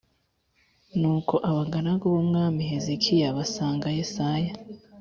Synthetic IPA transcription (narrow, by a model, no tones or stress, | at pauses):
nuːkʰo̞ʔaβaɡanaɡoβomŋaːmiɦezekʰijaβasaːŋɡajesaja